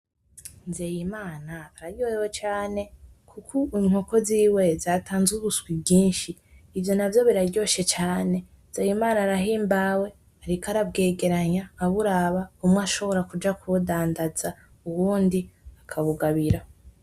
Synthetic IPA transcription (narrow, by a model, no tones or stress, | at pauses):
nzeːjimaːnaːɾaɾɟojewet͡ʃaːne̞ | kʰukʰuiŋ̥o̞koziːwe̞zaːtaːnzuβuswibɟiːnʃiː | vjo̞navjo̞βiɾaɾɟo̞ʃe̞t͡ʃaːne̞ | zejimaːnaɾaɦiːmbawe̞ | aɾikaɾab̚ɡe̞ːɡe̞ɾaɲaːβuɾaːβaumŋaʃo̞βo̞ɾakud͡ʒakʰuβudaːndaza | uβuːndiakʰaβuɡaβiɾa